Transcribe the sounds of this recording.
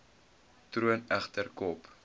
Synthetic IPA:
truənæχtərkɔp

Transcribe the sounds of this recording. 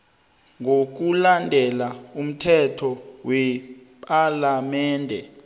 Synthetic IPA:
ŋok̬ulandʱɛlaum̩tʰɛtʰɔwɛ | pʼalamɛːndʱɛ

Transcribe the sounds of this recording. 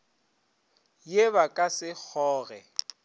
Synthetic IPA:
jeβakʼasɪk͡xʰɔːɣɛ̰

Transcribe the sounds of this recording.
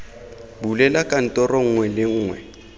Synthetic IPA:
bulɛlakʼan̩tʼɔrɔŋ̩ŋwɛlɪŋ̩ːŋwɛ̰

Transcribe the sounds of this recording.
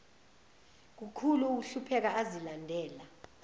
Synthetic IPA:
k̬ukʰuluːk̬uɬupʰɛk̬aazilandʱɛːla

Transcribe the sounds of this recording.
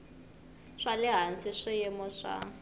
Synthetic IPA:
ʂalɪɦant͡sɪʂɪjɛmɔʂa̰

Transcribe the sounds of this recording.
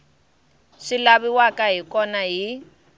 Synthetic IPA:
ʂilaβiwakaɦikɔnaɦi

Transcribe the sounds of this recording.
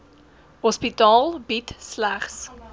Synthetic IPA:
hɔspitɑːlˠbitslæχs

